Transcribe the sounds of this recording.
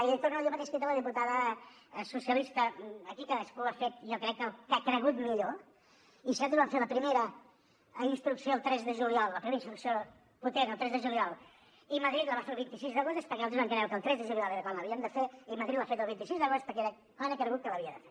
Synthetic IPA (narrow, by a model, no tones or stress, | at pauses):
iðək̚t̪oɾnalˠjomət̪eʃkit̪ələðimput̪aðəsusiəlist̪əəkikaðəskuafet̪okɾɛkːəlˠkakɾəɣut̪miʎo | isɛlˠt̪uzβaɱfeləpɾimeɾə | inst̪ɾuksioːlˠt̪ɾɛzðəʒuljɔlˠləpɾimeɾinst̪ɾuksio | put̪enəlˠt̪ɾɛzðəʒuliɔlˠ | iməðɾit̪ləβafeɾlˠβint̪isizðəɣost̪espəɾkɛalt̪zβãŋkɾɛwkəlˠt̪ɾɛzðəʒulijɔlˠeɾəkwaləβiənd̪əfeiməðɾit̪̚βafet̪əlˠβint̪isizðəɣost̪spəɾkɛeɾɛ | anəkɾəɣut̪̚kələβiəðəfe